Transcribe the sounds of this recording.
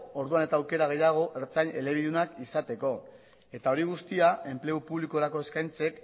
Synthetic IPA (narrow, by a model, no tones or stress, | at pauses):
o̞ɾðuane̞t̪aːwke̞ɾaɣ̞e̞jaɣ̞o̞ʔe̞ɾt͡saɲe̞le̞βiðunakisat̪e̞ko̞ | e̞t̪ao̞ɾiɣ̞ust̪iae̞mple̞upuβliko̞ɾako̞e̞skajnt͡se̞k